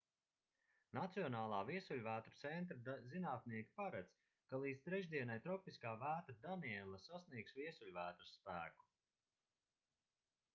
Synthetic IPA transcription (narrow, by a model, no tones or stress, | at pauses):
nat̪siɔnaːlˠaːviɛsulʲvæːt̪ɾut̪sɛnt̪ɾazinaːt̪niɛkʲi̥paɾat̪s | kalˠiːd̪st̪ɾɛʒd̪iɛnajt̪ɾɔpiskaːvæːt̪ad̪aniɛlˠasasniɛksviɛsulʲvæːt̪ɾusːpæːku̥